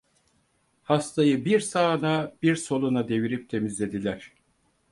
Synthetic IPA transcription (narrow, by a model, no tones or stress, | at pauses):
hast̪ʰajɯbiɾsaːnab̥iɾso̞lˠunad̪e̞viɾip̚t̪ʰe̞mizlʲe̞d̪ilʲæɾ̥